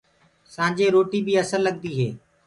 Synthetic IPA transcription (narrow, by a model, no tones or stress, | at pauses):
sãːd͡ʒeːɾoːʈiːbiːəsəlːəɠ̚d̪iːɦeː